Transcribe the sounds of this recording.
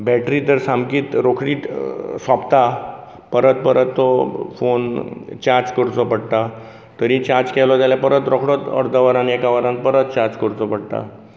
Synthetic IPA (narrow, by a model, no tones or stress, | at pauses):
bɛʈɾiːt̪əɾsãmɡiːt̪ɾokʰɽiːt̪sʋapt̪a | pəɾət̪̚pəɾət̪ːɔfont͡ɕaɾd͡zkəɾt͡sɔpəɽt̪a | t̪əɾĩt͡ɕaɾd͡zkɛlɔd͡zaljapəɾət̪ɾɔkʰɽɔt̪ə̰ɾd̪əʋəɾaniɛkaʋəɾãn̚pəɾət̪̚t͡ɕaɾd͡zkəɾt͡sɔpəɽt̪a̰